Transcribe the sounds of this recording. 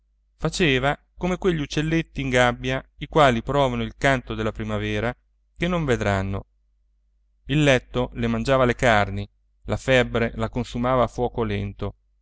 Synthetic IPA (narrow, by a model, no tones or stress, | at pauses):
fat͡ʃeːva | komekweʎːiut͡ʃːelːet̪ːiːŋɡabːjaikwaːlipɾɔːvanoilkant̪od̪elːapɾimavɛːɾa | kenːoɱved̪ɾanːo̰ | ilːɛt̪ːolemand͡ʒaːvalekarni | lafɛbːɾelakonsumaːvafwɔːkolɛnt̪o